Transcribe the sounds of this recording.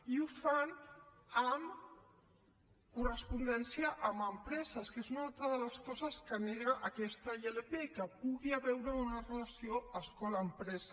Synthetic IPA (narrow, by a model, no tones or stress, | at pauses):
iufanəm | kurəspund̪ɛnsjiəʔːməmpɾɛzəskezunalˠt̪ɾəðələskɔzəskəneɣəʔɐkɛst̪əelepekəpuɣiaβɛwɾəunərələsioəskɔlaːmpɾɛzə